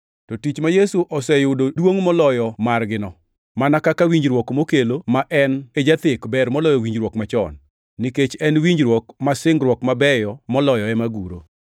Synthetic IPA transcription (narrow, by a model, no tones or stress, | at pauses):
tɔtit͡ʃmajesuʔɔsɛjʊdodwoŋmɔlɔjɔmarɡɪnɔ | manakakawiɲd͡ʒɾwɔkmokelomaʔɛned͡ʒat̪ɪkbɛɾmɔlɔjɔwiɲd͡ʒɾwɔkmat͡ʃɔ̰nː | iket͡ʃɛnwiɲd͡ʒɾwɔkmasɪŋɡɾwɔkmabɛjɔmɔlɔjɔɛmaɡuɾo̰